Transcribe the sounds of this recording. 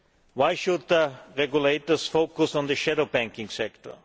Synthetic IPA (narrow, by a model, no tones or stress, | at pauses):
waɪʃʊd̪̚ðəɹɛɡjuleɪtə˞sfoʊkʊsɔ̃nðəʃɛdobæ̃ŋkɪ̃ŋsɛktə̰˞